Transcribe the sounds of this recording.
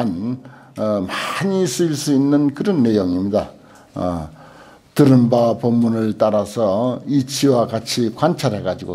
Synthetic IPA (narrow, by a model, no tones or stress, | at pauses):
an | maɲis͈ɯiɭs͈uinːɯnkɯɾʌnːe̞joŋimɲida̰ | tɯɾɯmbapʌmːunɯɭt͈aɾasʰʌit͡ɕʰiwakat͡ɕʰikwant͡ɕʰaɾɦeɡad͡ʑiɡo̰